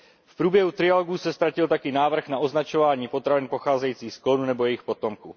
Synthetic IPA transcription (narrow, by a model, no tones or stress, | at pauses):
fpɾuːbjɛɦut̪ɾɪjaloɡuːsɛst̪ɾacɪlt̪akɪnaːvr̩xnaʔo̞znat͡ʃo̞vaːɲiːpo̞t̪ɾavɪnpoxaːzɛjiːt͡siːxsklonunɛbo̞jɛjɪxpo̞t̪o̞mkuː